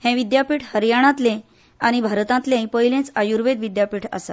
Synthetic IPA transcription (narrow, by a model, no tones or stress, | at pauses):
hɛ̃ʋid̪japiːʈʰhəɾjaɽ̃ãt̪lẽ | aɽ̃ibʱaɾt̪ãt̪lẽpəɦilẽt͡sajuɾʋed̪ʋid̪japiːʈʰa̰sa